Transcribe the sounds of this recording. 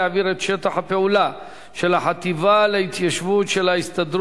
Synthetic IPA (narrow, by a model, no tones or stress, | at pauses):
aviɾet̪ʃe̞t̪aχape̞ula | ʃe̞laħat̪ivaleit̪jaʃvutʃe̞laist̪ad̪ɾ